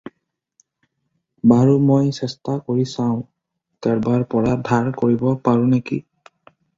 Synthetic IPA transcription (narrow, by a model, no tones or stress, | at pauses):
baɹumojsɛstakoɹisãʊ̃ | taɹbaɹpɔɹadʱaɹkoɹibɔpaɹũnekḭ